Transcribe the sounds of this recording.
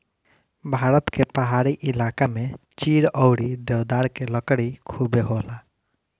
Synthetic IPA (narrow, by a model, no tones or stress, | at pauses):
bʱaːɾət̪kepaɦaɾiʔilaːkamet͡ʃiɽɔwɽid̪ewd̪aɾkeləkɽikʰubeɦola